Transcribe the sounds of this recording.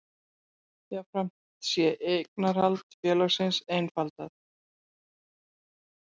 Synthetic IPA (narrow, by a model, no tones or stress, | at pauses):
θaɣfɾam̥ | t̪sjɛʔejknaɾ̥alt̪fjœːlaɣsɪnsejnfalt̪aθ